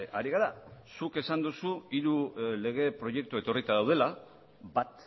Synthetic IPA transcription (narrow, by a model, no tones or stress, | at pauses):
aɾiɣ̞aɾasuke̞sand̪usuiɾule̞ɣ̞e̞pɾo̞je̞k̚t̪ue̞t̪o̞rit̪að̞awð̞e̞la | bat̪